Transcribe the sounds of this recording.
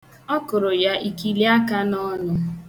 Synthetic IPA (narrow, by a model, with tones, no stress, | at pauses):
ɔ˦kʊ˨ɾʊ˨ja˦ʔi˨ki˨li˦a˦ka˦nɔ˦nʊ˦